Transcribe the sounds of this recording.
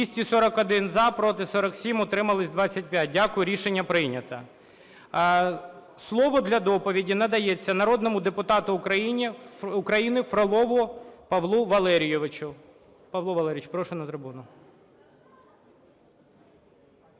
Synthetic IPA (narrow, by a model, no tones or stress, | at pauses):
isʲtʲisɔɾɐkɔd̪ɪnzɐpɾɔt̪ɪsɔɾɐksʲimɔt̪ɾɪmɐlˠɪsʲd̪ʋɑt͡sʲːɐt̚ʲpʲjat̚ʲdʲakʊjʊɾʲiʃenʲːɐpɾɪnʲɐt̪ɐ | slˠɔʋɔd̪lʲɐd̪ɔpɔʋʲidʲinɐd̪ɐjet͡sʲːɐnɐɾɔd̪nɔmʊd̪epʊt̪ɑt̪ʊːkɾɐjinʲiʊkɾɐjinɪfɾɔlˠɔʋʊpɐʋlˠuʋɐlˠɛɾʲijɪʋɪt͡ʃʊ | pɐʋlˠɔʋɐlˠɛɾʲɪjɪt͡ʃpɾɔʃɛnɐt̪ɾɪbunʊ